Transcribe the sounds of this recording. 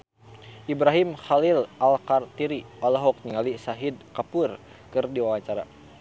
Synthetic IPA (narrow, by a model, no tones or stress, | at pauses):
ʔibɾaɦimxalilʔalkart̪iɾiɔlaɦɔk̚ɲiŋalisaɦid̪̚kapur | kɨrdiwawaɲt͡ʃaɾa̰